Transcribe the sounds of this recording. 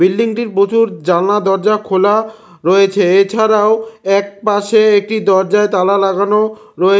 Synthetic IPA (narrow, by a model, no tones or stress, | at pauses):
bilːiŋʈiɾpot͡ɕuɾd͡ʑanad̪ɔɾd͡ʑakʰola | ɾɔjet͡ɕʰeet͡ɕʰaɾaoɛk̚paʃeek̚ʈid̪ɔɾd͡ʑaet̪alalaɡano | ɾɔe